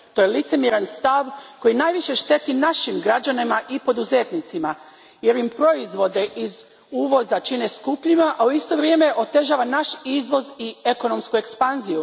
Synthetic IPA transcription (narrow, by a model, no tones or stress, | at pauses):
t̪ojelit̪se̞mjeɾanst̪aʋko̞jinaːjʋiʃe̞ʃt̪e̞t̪inaʃimɡɾad͡ʑanimaʔipo̞d̪uze̞t̪nit̪sima | je̞ɾimpɾo̞izʋo̞d̪e̞ʔiz | uːʋo̞zat͡ʃine̞skupʎimaʔauist̪o̞ʋɾjeːmeʔo̞t̪e̞ʒaːʋanaʃizʋo̞zie̞ko̞no̞mskue̞kspanziju